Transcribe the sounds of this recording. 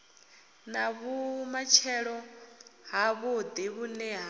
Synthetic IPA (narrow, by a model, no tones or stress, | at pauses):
naβumat͡ʃʰɛɺɔ | ɦaβud̪iβunɛɦa